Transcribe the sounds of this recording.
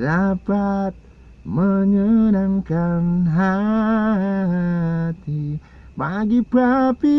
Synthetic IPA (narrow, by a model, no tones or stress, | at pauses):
lapat̪̚ | məɲənaŋkanɦa | t̪i | baɡipapi